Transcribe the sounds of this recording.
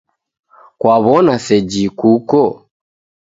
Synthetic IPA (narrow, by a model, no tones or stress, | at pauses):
kwaβɔnasɛd͡ʒikukɔ